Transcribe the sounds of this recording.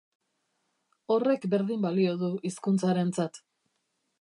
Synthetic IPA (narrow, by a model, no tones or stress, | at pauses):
o̞re̞kbe̞ɾðimbalio̞ðuʔiskunt͡saɾe̞nt͡sat̪